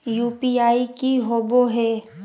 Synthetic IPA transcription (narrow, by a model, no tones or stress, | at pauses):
juːpiaːikiɦoːboɦɛː